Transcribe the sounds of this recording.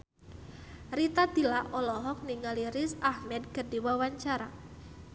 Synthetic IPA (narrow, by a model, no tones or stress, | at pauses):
rit̪ad̪ilaʔɔlɔɦɔk̚niŋaliɾɪsahmɛd̪̚kərdiwawaɲt͡ʃaɾa